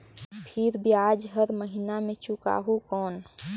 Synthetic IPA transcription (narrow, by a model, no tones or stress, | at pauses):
pʰɪɾbʱiaːd͡ʒɦəɾməɦinamẽt͡ʃʊka̰ːɦokɔːn